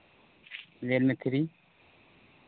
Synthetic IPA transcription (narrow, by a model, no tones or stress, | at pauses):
leːlmẽt̪ʰiɾiː